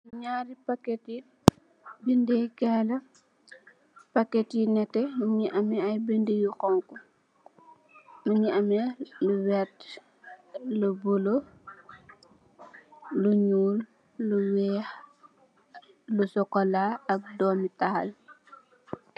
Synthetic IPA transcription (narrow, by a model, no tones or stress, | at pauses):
nuɲaːɾipakɛti | bindekɛlɐ | pakːɛtinɛtːɛmuɲiʔɐmɛɐjbindejuxɔŋku | muɲiɐmɛluwɛt | lubulo | luɲuːlː | uwɛːx | lusɔkɔlaɐk̚dɔːmitahɐ̰l